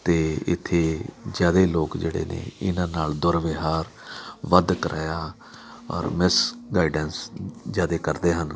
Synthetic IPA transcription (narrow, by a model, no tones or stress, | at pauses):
t̪eːɪ̰t̪ʰːeːzjaːd̪eːloːkd͡ʒeːɽḛːnḛːɪnãːnaːld̪ʊɾʋɪɦaːɾ | ʋəd̪kəɾʔa̰ːjaː | ɔ̰ːɾmɪsɡaːɪiɖɛnszjaːd̪eːkəɾd̪eːɦən